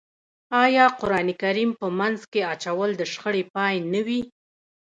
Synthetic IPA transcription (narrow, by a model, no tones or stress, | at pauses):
ɑjɑqʊɾɑnikaɾimpəmanzkeat͡ʃawəld̪əʃxəɽepɑjnəwi